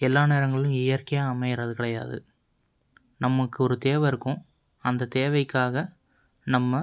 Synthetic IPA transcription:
ɛlːaːneːɾɐŋɡɐɭɪlɯ̃ɪjɐɾkɐjaːmɐɪɪɾɐðɯkɪɽɐja̰ːðɯ̰ | nɐmːɐkːɯɔɾɯt̪eːʋɐɪɾɯkːʊ̃ | ɐnd̪ɐt̪eːʋɐɪkːaːɣɐ | nɐmːɐ

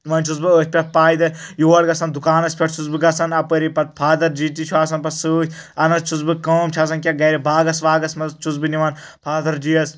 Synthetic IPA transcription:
ʋɐnt͡ʃʰuzbɨətʲpʲɐt̚paːjd̪ɐjuwɐɽɡɐsɐnd̪ukaːnɐsʲpʰʲeʈ̚t͡ʃʰuzbɨɡɐsɐnɐpəɾipɐt̪̚pʰaːd̪ɐɾd͡ʒiːt̪it͡ʃʰuaːsɐnpɐsɨɐnɐst͡ʃʰuzbɨkɐːmt͡ʃʰɐs̬ɐnkʲɐɡɐɾibaːɡɐsʋaːɡɐsmɐt͡ʃʰuzbɨniʋɐnpʰaːd̪ɐɾd͡ʒiːɐs

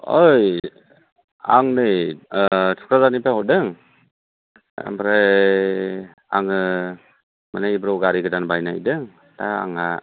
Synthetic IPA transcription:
ɔj | aŋnɯj | tʰu̥kʰɾazanipʰaɦɔdɯŋ | mbɾa | aŋɯ | manajbɾɔwɡaɾiɡɯdanbajnajdɯŋ | taa̰ŋa

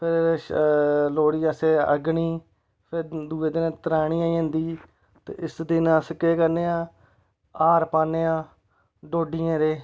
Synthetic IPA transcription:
pʰɪɾ | loːɽiːãːseːə̰ɡɳiː | pʰɪɾd̪uːeːd̪ɪnːt̪əɾaːɳiːãːiə̃nd̪iː | t̪ḛɪsd̪ɪnãːsəkeːkəɾneːãː | aːɾpaːneːãː | ɖoːɖiːãːɾeː

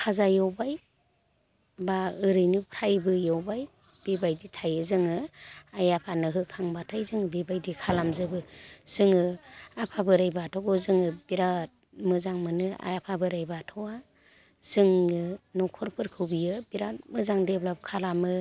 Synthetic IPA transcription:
kʰazajɔwbaj | baɯɾɯjnɯpʰɾajbɯjawbaj | b̥ibajditʰajɯzɯŋɯajapʰanɯɦɯkʰaŋbatʰajzɯŋɯbibajdikʰalamzɯbɯz̥ɯŋɯapʰabɯɾajbaatʰɔɡɔzɯŋɯbiɾat̚ | mɯzaŋmɯnɯa̰japʰabɯɾajbatʰɔwa | z̥ɯŋɯnɔkʰɔɾpʰɯɾkʰɯwbijɯbiɾat̚mɯzaŋdeblapkʰalamɯ

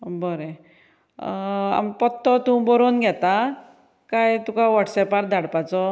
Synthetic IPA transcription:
bɔɾe | a̰mpɔt̪ːɔt̪ũbɔɾonɡʱɛt̪a | kajt̪ukaʋaʈsɛpaɾd̪ʱaɽpat͡sɔ

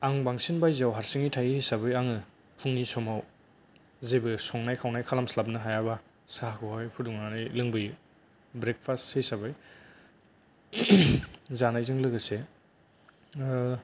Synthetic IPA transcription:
aŋbaŋsinbajzawɦaɾsiŋitʰajihisabɯjaŋɯ | pʰuŋnisɔmaw | zebɯsɔŋnajkʰawnajkʰalamslap̚nɯɦajaba | sakʰɯhɔjpʰuduŋnanɯjlɯŋbɯj | bɾek̚pʰasthejsabɯj | zanajzɯŋlɯɡɯse

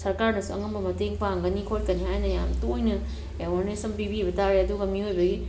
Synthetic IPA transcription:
sɐɾkaɾnɐsuɐ̰ŋɐmbɐmɐteŋpaŋɡɐnikʰot̚kɐnihajnɐja̰mtojnɐ | ewaɾnesɐnpibibɐtaɾeɐduɡɐmihojbɐɡi

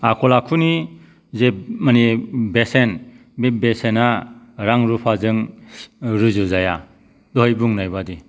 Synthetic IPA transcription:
akʰɔlakʰuni | zemanibesen | bebesena | ɾaŋɾupʰazɯŋ | ɾɯzɯzaja̰ | dɔɦɔjbuŋnajbadi

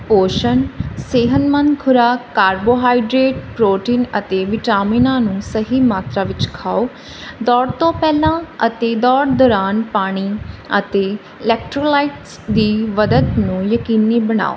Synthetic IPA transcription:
poːʃənseːɦənmənkʰʊɾaːkaːɾboːɦaːɪɖɾeːʈpɾoːʈiːnət̪eːʋɪʈaːminãːnũːsəɦiːmaːt̪ɾaːʋɪt͡ʃkʰaːoː | d̪ɔːɽt̪õːpɛːlãːət̪eːd̪ɔːɽd̪ɔːɾaːnpaːɽ̃iːə̰t̪eː | ɪlɛːkʈɾolaːɪʈs | d̪iːʋəd̪ət̪nũːjəkiːniːbəɳ̃a̰ːo̰ː

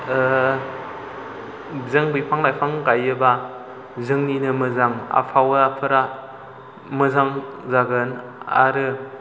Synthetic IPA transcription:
zɯŋbɯjpʰaŋlajpʰaŋɡajɯba | zɯŋninɯmɯzaŋa̰pʰawɯapʰɯɾa | mɯzaŋzaɡɯn | a̰ɾɯ

